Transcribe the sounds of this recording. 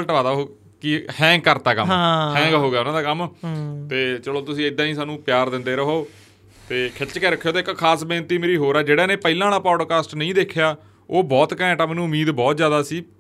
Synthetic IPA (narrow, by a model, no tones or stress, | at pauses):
lʈʋaːd̪aːɦo | kɪhɛ̃ːŋɡkəɾt̪aːkə̰mãhɛ̃ːɡəɦoːɡaːʊnãːd̪aːkəmt̪eːt͡ʃəloːt̪ʊsĩːɪd̪ãːĩːsaːnũːpjaːɾd̪ɪ̃nd̪eːɾəɦoː | t̪eːkʰɪt͡ʃkɛːɾəkʰːejoːt̪eːɪkkʰaːsbẽːnt̪iːmeːɾiːɦoːɾɛːd͡ʒeːɽaːnẽːpəilãːnaːpɔːɖkaːsʈnəĩːd̪eːkʰjaː | oːbɔːt̪kɛ̃ʈaːmɛːnũːʊmiːd̪bɔːt̪zjaːd̪aːsiː